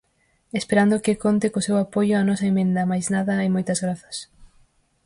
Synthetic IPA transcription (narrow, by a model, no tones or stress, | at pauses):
espeɾand̪okɪkont̪ɪkosewapojʊanɔsɐemẽnd̪ɐmajznaðɐajmojt̪ɐzɣɾaθɐ̥s